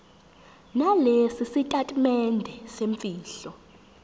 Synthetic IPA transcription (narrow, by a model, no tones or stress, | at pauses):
nalesisitʼatʼimɛndʱɛseɱfiːɬɔ